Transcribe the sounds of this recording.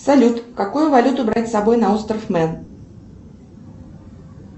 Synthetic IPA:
sɐlʲut̪kakujʊvɐlʲut̪ʊbɾatʲsɐbojnɐost̪ɾəfmɛn

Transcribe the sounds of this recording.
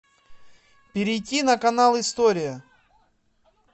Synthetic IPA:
pʲɪɾʲɪjtʲːinəkɐnalˠɪst̪oɾʲɪjə

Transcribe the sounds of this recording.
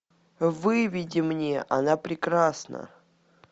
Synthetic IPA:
vɨvʲidʲɪmnʲeʔa̰napɾʲɪkɾasnə̰

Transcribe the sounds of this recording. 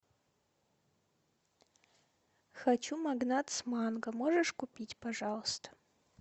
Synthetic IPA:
xat͡ʃʰumaɡnatʰsmaːnɡɐmoʐɐʂkʷupʲitʲpʰaʐalˠəst̪ʰɐ̥

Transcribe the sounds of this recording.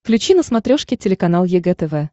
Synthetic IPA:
klʲʉt͡ɕinəsmɐt̪ɾʲoʂkʲɪtʲɪlʲɪkɐnalˠjɪɡɛt̪ɛvɛ

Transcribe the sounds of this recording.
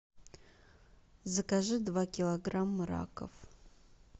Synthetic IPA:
zɨkaʒɨdvakʲʰilˠoɡramːɨɾa̰kʰʼɐ̰f

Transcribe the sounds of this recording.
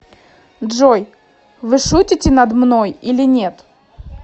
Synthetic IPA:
dʐoj | vɨʂutʲɪtʲɪnɐd̪mnojilʲɪnʲe̞t̪

